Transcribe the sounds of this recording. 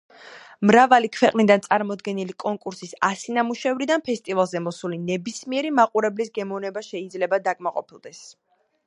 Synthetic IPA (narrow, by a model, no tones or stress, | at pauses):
mɾavalikʰwɛqʼnid̪ant̪sʼaɾmɔd̪ɡɛnilikʼɔŋkʼuɾsisasinamuʃɛvɾid̪anpʰɛst̪ʼivalˠzɛmɔsulinɛbismiɛɾimaqʼuɾɛblisɡɛmɔnɛbaʃɛid̪zlɛbad̪akʼmaqʼɔ̰pʰilˠd̪ɛs